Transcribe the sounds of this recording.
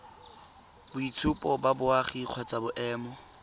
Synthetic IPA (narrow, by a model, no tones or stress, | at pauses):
bʊit͡sʰʊpʼɔbabʊaχiq͡χʰɔt͡sʼabʊʔɛːmɔ